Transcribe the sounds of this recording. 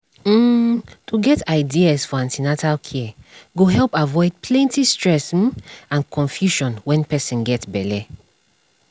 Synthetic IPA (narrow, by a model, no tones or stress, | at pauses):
tʰuɡɛtaɪdiasfɔãntinatʰalkʰiɛɡoɦɛlpavɔɪd̚pʰlɛ̃ntistɹɛs̩ãnkʰɔ̃nfjuʃɔ̃nwɛ̃npɛsĩnɡɛtbɛlɛ